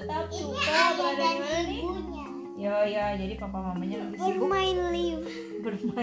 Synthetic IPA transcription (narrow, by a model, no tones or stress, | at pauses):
t̪ap̚sukabadaladiuɲa | jajad͡ʒadipampamamaɲa | bərmaɪnliw | bərma